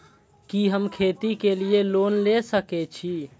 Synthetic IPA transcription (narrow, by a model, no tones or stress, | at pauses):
kiɦəmkʰet̪ikelielonlesəkɛt͡ʃʰi